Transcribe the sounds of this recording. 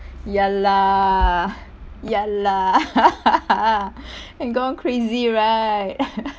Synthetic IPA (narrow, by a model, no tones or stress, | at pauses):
jala | jala | ɨ̃nɡõnkʰɹeziɹat̚